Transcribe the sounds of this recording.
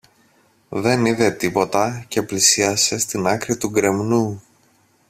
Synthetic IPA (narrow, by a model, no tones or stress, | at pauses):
ðe̞niðe̞t̪ipo̞t̪ɐce̞plisiɐse̞st̪inɐkɾit̪uɡɾe̞mnu